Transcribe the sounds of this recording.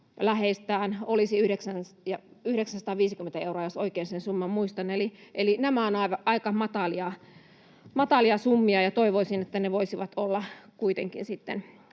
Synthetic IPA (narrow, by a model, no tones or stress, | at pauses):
læheist̪æːnolisiyhɾeksænjɑyhɾeksænsɑt̪ɑːʋiːsikymːent̪æeuroɑjosoikeːnsensumːɑmmuist̪ɑneliʔelinæmæonɑiʋɑʔɑikɑmɑt̪ɑliɑ | mɑt̪ɑliɑsumːiɑjɑt̪oiʋoisinet̪ːæneʋoisiʋɑt̪olːɑkuit̪ḛŋkḭnsit̪ːḛn